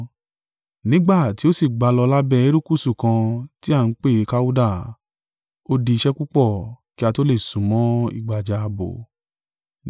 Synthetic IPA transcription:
nĩ˨˦ɡ͡ba˦˨ti˨˦o˦si˦˨ɡ͡ba˧lɔ˧la˦bɛ˧˨e˦ɾu˦ku˦˨su˦˨kã˧ti˦a˦˨n̩˦k͡pe˦˨˧ka˦u˦da˦˨ | o˦di˧ʃɛ˦ku˦k͡pɔ˦˨ki˦a˧to˦le˦˨sũ˨˦mɔ̃˨˦ḭ˦˧˨ɡ͡ba˨d͡ʒa˧bo̰˨

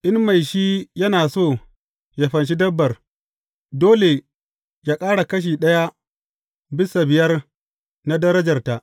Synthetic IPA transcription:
ʔɪ˦nma˨jʃiː˦jɐ˦naː˨soː˦˨ | ja˨ɸɐ˨nʃ̬i˦dɐ˦bːɐ˨r | doː˦le˨ | jaː˦kʼaː˦ɽa˨kɐ˦ʃ̬iː˨ɗɐ˦ja˦ | bɪ˦sa˨bɪ˨jɐ˦r | na˦dɐ˦ɾɐ˦d͡ʒɐ˨rta˨ʔ

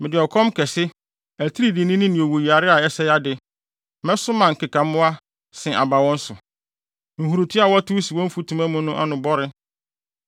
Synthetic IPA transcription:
mɪ̃˨dɪ˨ɔ˨kʰɔ̃˦mkʰɛ˨sɪ˦ | æ˨tʰi˦ɾi˨dɪ˨nɪ̃˦nɪ̃˦nɪ̃˨o˨wo˨ji˨a˨ɾɪ˦a˨ɛ˦sɛ˦ja˦dɪ˨ | mɛ̃˦sʊ˦mã˨ŋ̩˨kɪ˨kã˨mʊ̃˦a˦ | sɪ̃˨ʔa̰˨ba˨wɔ̃˦n̩˦sʊ˨ | ŋ̩˨ɦu˨ɾu˨tʰi˦a˨wɔ˦tʰu˦si˨wɔ̃˦m̩˦fu˦tʰũ˨mã˦mʊ̃˦nʊ̃˦ʔa˦nʊ̃˨bɔ˦ɾɪ˦

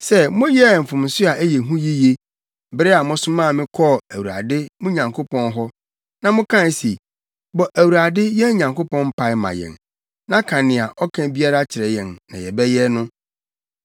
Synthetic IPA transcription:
sɛ˦mʊ̃˦jɛ˦˨m̩˨fʊ̃˨m̩˨sʊ˦a˨ʔæ˦jɛ˨ɦũ˦ji˦je˦ | bɾɪ˦a˨mʊ̃˦sʊ˦mãː˦˨mɪ̃˦kʰɔ˦˨æ˨wu˨ɾa̰˨dɪ˦mʊ̃˦ɲã˨ŋkʰo˦pʰɔ̃˦nɦɔ˦ | nã˨mʊ̃˦kʰã˦n˨si˨ | bɔ˨ʔæ˨wu˨ɾa˨dɪ˦jɛ˦ɲã˨ŋko˦pɔ̃˦nm̩˦pʰa˨ɪ˦mã̰˨jɛ̰̃˨n | nã˦kʰã˨nɪ̃˨a˨ʔɔ˦kʰã˨˦bi˦a˦ɾa˦t͡ɕʰɪ˨ɾɛ˨jɛ̃˨nːã̰˨jɛ˨bɛ˦jɛ˦nʊ̃˦

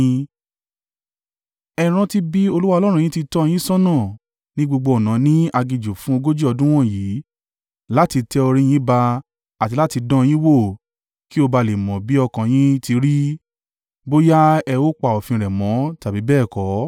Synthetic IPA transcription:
ɛ˧ɾ̃ã˧ti˦bi˦o˧lu˦wa˦˧lɔ˦ɾ̃ũ˦ĩ˦ti˧tɔ˦˧j̃ĩ˦sɔ̃˦nã˦˨ | nĩ˦ɡ͡bo˧ɡ͡bo˧ɔ˨nã˨˦nĩ˦a˧ɡi˧d͡ʒo˨fũ˦o˧ɡo˦d͡ʒi˦ɔ˧dũ˦w̃ɔ̃˦˨jiː˨˦ | la˦ti˧tɛ˧o˧ɾ̃ĩ˦j̃ĩ˦ba˧ | a˨ti˧la˦ti˧dɔ̃˦˧j̃ĩ˦wo˦˨ | ki˦o˧ba˧le˨mɔ̃˨bi˨˦ɔ˧kã˨j̃ĩ˦ti˧ɾi˦ | bo˦ja˦ɛ˧wo˦k͡pa˨ɔ˨fĩ˧ɾɛ˨mɔ̃˨˦ta˨bi˨˦bɛː˦˨kɔ˨˦

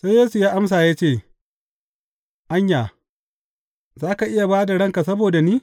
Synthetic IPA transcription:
sa˦jeː˦su˨jaː˦ʔa˦ms̬aː˨jaː˦t͡ʃeː˦˨ | ʔa˦ɲjaː˨ | zaː˦ka˨ʔɪ˦ja˨baː˦da˨ɽɐ˦ŋka˨sɐ˦boː˨da˨niː˦

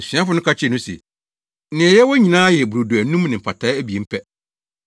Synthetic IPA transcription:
sĩ˨˦a˦fʊ˦nʊ̃˦kʰa˦t͡ɕʰɪ˦˨nʊ̃˦sɛ̰˨ | nɪ̃˨jɛ˦wɔ˦ɲĩ˨nãː˦jɛ˨bu˨ɾo˨du˨æ˨nũ˦mnɪ̃˨m̩˨pʰa˨tʰa˦æ˦bi˨e˨m̩˦pʰɛ˦

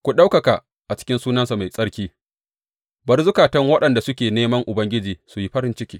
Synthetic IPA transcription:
kʷu˨ɗa˦wkɐ˨ka˨ | ʔa˨t͡ʃɪ̥˦kʲɪ˦nsuː˦nɐ˦nsa˨ma˨jsʼɐ˦ɽkʲiː˦ | bɐ˨rzʊ˦kaː˨tɐ˦ŋwɐ˦ɗɐ˨nda˨sʊ˦kʲeː˨neː˦mɐ˦ŋʔʊ˨bɐ˦ŋɡʲɪ˦d͡ʒiː˨su˨ji˦ɸɐ˦ɾɪ˦nt͡ʃɪ˦kʲiː˦

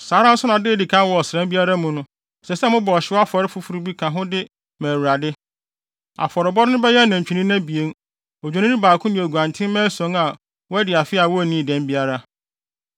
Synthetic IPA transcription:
saː˨˦ɾã˦n̩˦sʊ˦nã˨dɪ˦˨di˨kʰã˦wɔ˨ɔ˨sɾɛ̃˦mbi˦a˦ɾa˦mũ˨nʊ̃˦ | sɛ˨sɛ˦mʊ̃˦bɔ˨ɕɪ˦a˦fɔ˨ɾɪ˦fu˦fu˨ɾu˦bi˦kʰã˨ɦʊ̃˦dɪ˦ | mæ̃ː˨wu˨ɾa˨dɪ˦ | a̰˨fɔ˨ɾɪ˨bɔ˦dnʊ̃˦bɛ˦jɛ˦˨nã˨ɲ˨t͡ɕᶣi˨nĩ˦nã˦bi˨e˦n | ɔ˨d͡ʑᶣo˨nɪ̃˦nɪ̃˦baː˨kʰʊ̃˦mĩ˨æ˨ɡu˨ã˨ntʰɪ̃˦mɛ̃˦sɔ̃˦ŋa˨ | wɔ˦æ˦dɪ˨a˨fɪ˦a˨wɔ˦æ˨nĩ˦˨dɛ̃˨mbi˦a˦ɾa˦

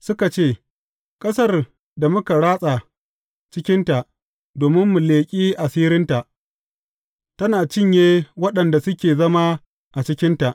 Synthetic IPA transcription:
sʊ˦ka˨t͡ʃeː˦˨ | kʼɐ˦sɐ˦˨r | da˨mʊ˦ka˨ɽaː˦sʼa˨ | t͡ʃɪ˦kʲɪ˦nta˨ʔ | doː˨mɪ˦mːu˨leː˨kʲʼiː˦ʔa˨siː˦ɾɪ˦nta˨ʔ | tɐ˦naː˨t͡ʃɪ˦ɲjeː˦wɐ˦ɗɐ˨nda˨sʊ˦kʲeː˨zɐ˦ma˦ | ʔa˨t͡ʃɪ˦kʲɪ˦nta˨ʔ

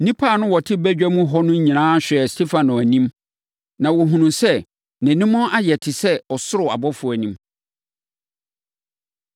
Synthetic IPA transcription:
nĩ˦pʰa˦˨nʊ̃˦wɔ˨tʰɪ˦bæ˦d͡ʑᶣæ˦mũ˦ɦɔ˦nʊ̃˦ɲ̩˦ɲĩ˨nãː˦ɕᶣɪ˨ɛ˨stʰe˦fã˨nʊ̃˨æ˨nĩ˦m | nã˨wɔ˨ɦũ˨nũ˨sɛ˦ | nɪ̃˨nɪ̃˦mɔ̃˦ʔa˦jɛ˨tʰɪ˨sɛ˦ɔ˨sʊ˦ɾʊ˨a̰˨bɔ˦fʊ˨˦æ˨nĩ˦m

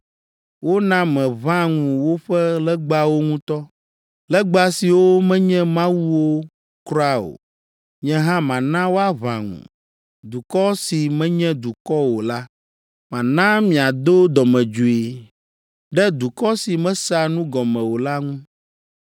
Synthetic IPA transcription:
wo˦nã˦mɛ̃˨βã˦ŋũ˨wo˦ɸɛ˦lɛ˦ɡ͡ba˦wo˦ŋũ˦t̪ɔ˦ | lɛ˦ɡ͡ba˦si˨wo˦mɛ̃˦ɲɛ̃˦mã˦wu˦wo˦ | kɾɔ˦a˦o̰˨ | ɲɛ̃˦ɦã˦mã˨nã˦wo˦a˦βã̰˨ŋṵ̃˨ | d̪u˨kɔ˦si˨mɛ̃˦ɲɛ̃˦d̪u˨kɔ˦wo˨la˦ | mã˨nã˦mĩ˨a˨d̪o˦d̪ɔ˨mɛ̃˨d͡ʒu˨e˨ | ɖɛ˦d̪u˨kɔ˦si˨mɛ̃˦sa˦nũ˦ɡɔ˨mɛ̃˨wo˨la˦ŋũ˦

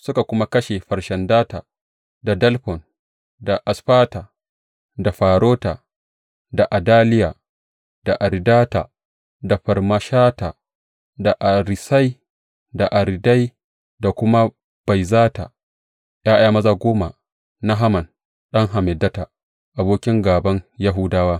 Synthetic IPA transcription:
sʊ˦ka˨kʷʊ˦ma˦kɐ˦ʃe˨ɸɐ˨ɾʃɐ˨ndaː˦taː˨ | da˨dɐ˦lɸɔ˨n | da˨ʔa˨sɸaː˦ta˨ | da˨ɸaː˨ɾoː˦ta̰˨ | da˨ʔa˨daː˦lɪ˦jaː˨ | d̥a˨ʔa˨ɾdaː˦ta˨ | da˨ɸɐ˨ɾma˦ʃaː˦ta˨ | da˨ʔa˨ɾɪ˨sa˦j | da˨ʔa˨ɾda˦j | da˨kʷʊ˦ma˦ | b̥a˨jzaː˦ta̰˨ | jʔaː˦ʔaː˦mɐ˦zaː˦ɡʷoː˦ma˨ | na˦ɦa˦mɐ˨n | ɗɐ˦ŋɦa˨mɛ˨dɐ˦ta˨ | ʔa˨boː˦kʲɪ˦ŋɡaː˨bɐ˦ŋja˦ɦʊ˦daː˦waː˦

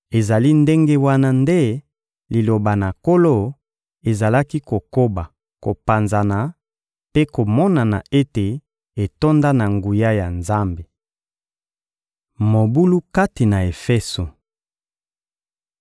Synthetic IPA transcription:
e˨za˨li˦nde˦ŋɡe˦wa˦na˦nde˦ | li˨lo˨ba˨na˨ko˦lo˦ | e˨za˨la˦ki˦ko˨ko˦ba˨ | ko˨pa˨nza˨na˨ | pe˦ko˨mɔ˦na˨na˨e˦te˨ | e˨to˦nda˦na˨ŋɡu˨ja˦ja˨nza˦mbe˨ | mo˨bu˦lu˦ka˦ti˨na˨e˨fɛ˦so˨

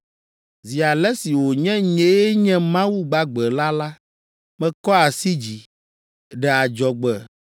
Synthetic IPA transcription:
zi˨a˨lɛ˦si˨wo˨ɲɛ̃˦ɲɛ̃˦jɛ˦ɲɛ̃˦mã˦wu˦ɡ͡ba˦ɡ͡bɛ˨la˦la˦ | mɛ̃˦kɔ˦a˨si˦d͡ʑi˨ | ɖɛ˨a˨d͡ʒɔ˨ɡ͡bɛ˨

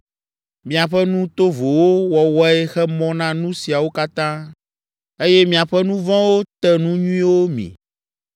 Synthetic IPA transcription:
mĩ˨a˨ɸɛ˦nũ˦t̪o˦vo˨wo˦wɔ˨wɔ˦ɛ˦xɛ˦mɔ̃˦nã˦nũ˦si˨a˨wo˦ka˦t̪ã˦ | e˦jɛ˦mĩ˨a˨ɸɛ˦nũ˦vã˦wo˦t̪ɛ˦nũ˦ɲũ˦ĩ˦wo˦mḭ̃˨

